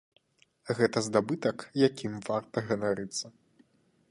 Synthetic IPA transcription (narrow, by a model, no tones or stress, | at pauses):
ɣɛt̪ɐzd̪abɨt̪ɐkjakʲʰimvart̪ɐɣɐnaɾɨt̪sːɐ